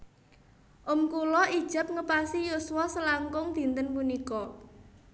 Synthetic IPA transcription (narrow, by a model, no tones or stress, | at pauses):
ʔʊmkulɔʔi̥ʒ̥ə̤p̚ŋəpasijuswɔsəlaŋkʊŋd̪̥i̤nt̪ənpunikɔ